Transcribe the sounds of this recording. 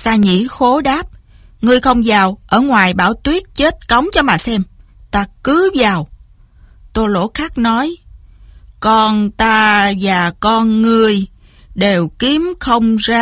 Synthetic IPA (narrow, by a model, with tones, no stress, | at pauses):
saː˧ɲḭ˧˩˥xo˨˦ɗaː˦˥p̚ | ŋɨ˧əjxə˧wŋ͡mzaː˨˩wʔəː˧˩ŋwaː˨˩jɓaː˧˩wt̪wi˦˥ət̚t͡ɕe˦˥t̚kə˨˦wŋ͡mt͡ɕɔ˧maː˨˩sɛ˧m | t̪aː˧kɨ˨˦vaː˨˩w | t̪o˧jlo̰˧˥xaː˦˥k̚nɔ˨˦j | kɔ˧nt̪aː˧vaː˨˩kɔ˧nŋɨ˧əj | ɗe˨˩wki˨˦əmxə˧wŋ͡mzaː˧